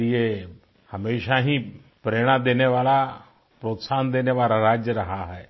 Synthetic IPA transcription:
ije | həmeːʃaɦĩ | pɾeɽ̃ad̪eneʋaːla | pɾot̪saːnd̪eneʋaːlaɾaːd͡ʒjəɾɐɦaɦɛː

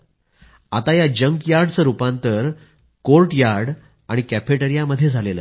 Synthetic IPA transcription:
a̰t̪ajad͡ʑəŋkjaɾɽt͡səɾupãnt̪əɾ | kolʈjaɾɽ | aɽ̃ikæfeʈəɾijaməd̪ʱːjed͡zʱalelə̰

